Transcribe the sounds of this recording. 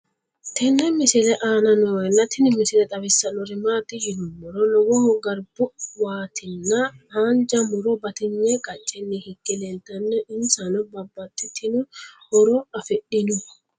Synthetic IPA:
t̪ɛnːɛmɪsɪlɛʔaːnɐnɔnːɐt̪ɪnɪmɪsɪlɛt̪ʼɐbɪsːɐnɔɾɪmaːt̪ːɪjɪdʊmɔɾɔlɔwɔmɔɡɐɾbʊwaːt̪ɪnːɐaːnd͡ʒɐmʊɾɔbɐt̪ɪɲːɛkʼɐt͡ʃʼːɛnːɪhɪkːɛlɛlt̪ɐnːɛʔɪnsɐnɔbɐbːɐt̪ːɪt̪ʰɪnɔhɔɾɔɐfɛɗɪnʊ

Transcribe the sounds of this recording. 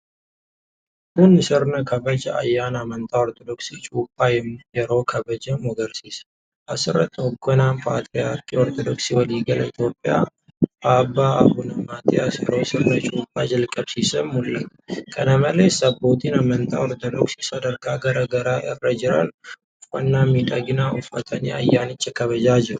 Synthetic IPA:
hunːɨsɨɾnəkʰɐbəd͡ʒɛa̰jːanamənt̪ʼaɔɾt̪ʰod̪oksit͡ʃʼupʼːajɛmjɛɾo̞kʰɐbəd͡ʒɐmɔɡəɾsis | ʔasɨɾət̪ʼɔɡɔnampʼat̪ʼɾijakʼiɔɾt̪ʰod̪oksiwɔliɡəlit̪ʰjo̞pʼːija̰ | aːbːaːɐfʊnɐmaːt̪ʰiɐsɛɾoːsɪrːɐt͡ʃʼuːpʼːaːd͡ʒɐlkʼɐbsiːsɐmmʊlːɐt̪ | kʰɐnɐmɐleːsɐbːo̞ːt̪iːnɐmɐnt̪ʰʼa̰ːɔɾt̪ʼod̪ɔksiːsɐd̪ɐɾkaːɡɐɾɐɡɐɾaːʔɪrːɐd͡ʒɪɾa̰l | ʊfːɐnːaːmiᶑ̪ɐɡɪnaːʔʊfːɐt̪ʰɐneːɐ̰jːaːnɪt͡ʃʼːɐkɐβɐd͡ʒaːd͡ʒɪɾʊ

